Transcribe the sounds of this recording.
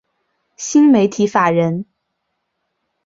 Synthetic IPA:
ɕi˥nme˧˥ɪt̪ʰi˧˥fa˨˩ɻə˧˥n

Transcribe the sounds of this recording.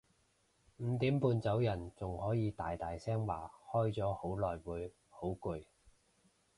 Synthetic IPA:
m̩˨˧˦t̪iː˨˥mpuː˧nt͡sɐ˨˥wjɐ˨˩nt͡sʊ˨ŋhɔː˨˥jiː˨˧t̪aː˨jt̪aː˨jsɛː˥ŋwa̰ː˨˩hɔː˥jt͡sɔː˨˥ho˨˥wlɔː˨jwuː˨˧j | ho˨˥wku˨˧j

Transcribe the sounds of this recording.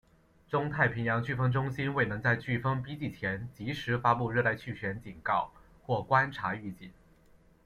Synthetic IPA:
ʈ͡ʂʊ˥ŋt̪ʰa˥˩ɪpʰi˧˥ŋjɑ˧˥ŋt͡ɕy˥˩fɤ˥ŋʈ͡ʂʊ˥ŋɕi˥nwe˥˩ɪnɤ˧˥ŋt͡sa˥˧ɪt͡ɕy˥˩fɤ˥ŋpi˥t͡ɕi˥˩t͡ɕʰjɛ˧˥nt͡ɕi˧˥ʂɻ̩˧˥fa˥pu˥˧ɻ̩˥˧la˥˧ɪt͡ɕʰy˥˩ɕɥɛ˧˥nt͡ɕi˨˩nkɑ˥˧ʊ | xwɔ˥˩kwa˥nʈ͡ʂʰa˧˥y˥˧t͡ɕi˥˩n

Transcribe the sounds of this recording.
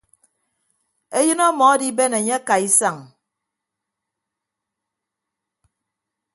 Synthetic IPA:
e˦jɨ˦nɔ˦mɔ˨a˦di˦be˦ne˨ɲe˦a˦ka˨i˦sa˨ŋ

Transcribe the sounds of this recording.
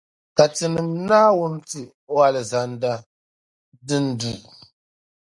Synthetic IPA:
ka˨tɨ˨nɨ˨mnaː˦wʊ˦n˦tɨ˨ | o˦a˨lɨ˨za˨nda˦ | dɨ˦n˦du˦

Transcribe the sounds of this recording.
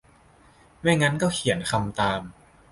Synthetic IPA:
ma˥˩jŋa˦˥nkɔː˥˩kʰi˩˦ənkʰa˧mt̪aː˧m

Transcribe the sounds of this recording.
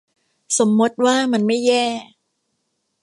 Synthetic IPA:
so˩˦mːu˦˥t̪̚waː˥˩ma˧nma˥˩jːɛː˥˩

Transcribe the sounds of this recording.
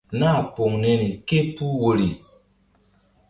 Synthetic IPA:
na˦˨po˨ŋne˨ni˨ke˦pu˦wo˨li˨

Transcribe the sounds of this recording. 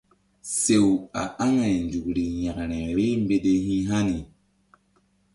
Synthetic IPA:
se˨wa̰˨a˦ŋa˨nd͡ʒu˨kɾi˨ja˨kɾɛ̃˨ɾe˦mbe˦de˦ɦĩ˦ɦa˦ni˨

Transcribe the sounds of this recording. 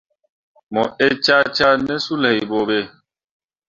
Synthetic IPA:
mɔ˨e˦t͡ʃa˦t͡ʃa˦nɛ˦su˦lɛ˨i˨bo˨be˦˨

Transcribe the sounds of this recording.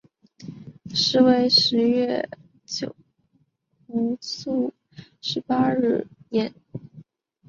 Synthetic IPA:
ʂɻ̩˧˥we˧˥ɪʂɻ̩˧˥ɥɛ˥˩ | t͡ɕjo˨˩ʊ | u˧˥su˥˩ | ʂɻ̩˧˥pa˥ɻ̩˥˩jɛ˧˩˦n

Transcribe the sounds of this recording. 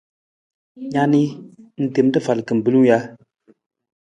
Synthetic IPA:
ɲa˦ni˦n̩˨te˨m˦tə˦˨fa˨lkə˨m̩˨bɨ˦lu˦ja˦

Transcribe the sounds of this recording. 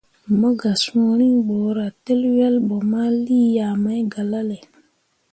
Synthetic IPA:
mo˦ɡa˨so˨ɾi˦ŋɓoː˨ɾa˨te˦lwɛ˦lɓo˨ma˦li˦ja˨ma˦jɡa˨la˦le˨

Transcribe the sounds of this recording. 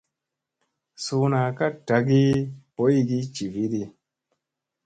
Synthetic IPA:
su˧na˨ka˦ta˨ɡi˦po˦i˦ɡi˦t͡ʃi˨vi˦di˧

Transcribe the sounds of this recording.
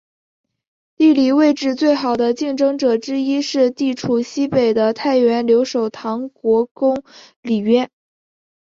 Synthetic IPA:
t̪i˥˩li˨˩we˥˧ɪʈ͡ʂɻ̩˥˧t͡swe˥˩ɪxɑ˨˩ʊd̪ə˦t͡ɕi˥˧ŋʈ͡ʂɤ˥ŋʈ͡ʂɤ˨˩ʈ͡ʂɻ̩˥i˥ʂɻ̩˥˧t̪i˥˩ʈ͡ʂʰu˨˩ɕi˥pe˨˩ɪd̪ə˦t̪ʰa˥˩ɪɥɛ˧˥nljo˧˥ʊʂo˨˩ʊt̪ʰɑ˧˥ŋkwɔ˧˥kʊ˥ŋ | li˨˩ɥɛ˥˩n

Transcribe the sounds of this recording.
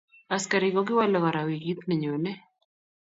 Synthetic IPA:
a˨ska˨ɾɪ˨ɡɔ˦ɡɪ˦wa˦lɔ˨ka˨ɾa˨wi˨ɡi˦t̪nɛ˨ɲo˨nɛ˦

